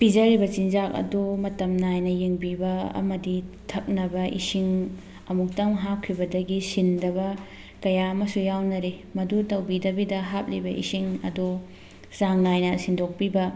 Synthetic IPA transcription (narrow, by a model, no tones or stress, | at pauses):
pid͡ʒɐɾibɐt͡ʃind͡ʒak̚ɐ̰domɐtɐmnajnɐjeŋbibɐɐ̰mɐditʰɐk̚nɐbɐʔḭsiŋ | ɐmuk̚tɐmɦakʰɾibɐdɐɡisindɐβɐ | kɐjaɐmɐsujawnɐɾemɐdutɐwbidɐbidɐɦap̚libɐʔḭsiŋɐ̰do | saŋnajnɐsindok̚pibɐ